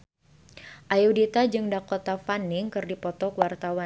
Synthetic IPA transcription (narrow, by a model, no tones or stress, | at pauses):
ʔajudit̪ad͡ʒɨŋdakot̪afanɪŋkɨrdipɔt̪ɔkwart̪awa